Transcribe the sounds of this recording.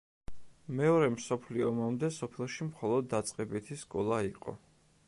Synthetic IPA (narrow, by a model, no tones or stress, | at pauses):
mɛɔɾɛmsɔpʰliɔmamd̪ɛsɔpʰɛʃimχɔlˠɔd̪ːat̪sʼqʼɛbit̪ʰiskʼɔlˠaiqʼɔ̰